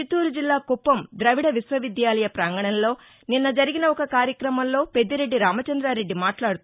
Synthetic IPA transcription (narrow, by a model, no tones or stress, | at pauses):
it̪uːɾud͡ʒilːaːkupːɐmd̪ɾɐʋiɽɐʋisʋɐʋid̪jaːlɐjɐpɾaːŋɡɐɳɐnlo̞ː | ninːɐd͡ʒɐɾiɡinɐɔkɐkaːɾjɐkɾɐmɐmlo̞ːpe̞d̪ːiɾe̞ɖːiɾaːmɐt͡ʃɐnd̪ɾaːɾe̞ɖːimaːʈlaːɽut̪